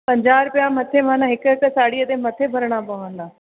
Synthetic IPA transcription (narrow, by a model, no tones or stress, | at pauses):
pɐ̃ɲd͡ʑaːɾpɪjamɐt̪ʰemãːnãɦɪkɪkəsaːɽiəd̪emɐt̪ʰebʱɐɾɽ̃apɐʋə̃nd̪aː